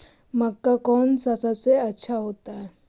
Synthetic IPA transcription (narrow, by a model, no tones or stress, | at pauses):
mɐkːakɔːnsasaseɐːt͡ʃʰaɦoːt̪aɛ